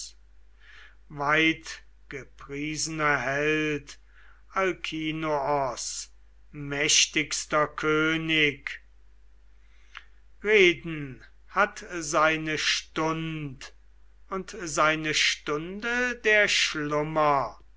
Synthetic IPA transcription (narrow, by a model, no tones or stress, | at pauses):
vaɪt | ɡ̥əpʁiːzənɐhɛllt | alkʰiːnoɔs | mɛʃtɪkst̪ɐkʰøːnɪk | ʁeːdn̩ | hatzaɪnəʃtʊnt | ʊntzaɪnəʃtʊndədeːɐʃlʊmɐ